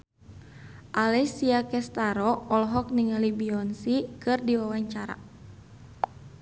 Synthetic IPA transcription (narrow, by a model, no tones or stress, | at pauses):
ʔalɛsiakɛst̪aɾɔːlɦɔk̚niŋalibiɔnsikɨrdiwawaɲt͡ʃaɾa̰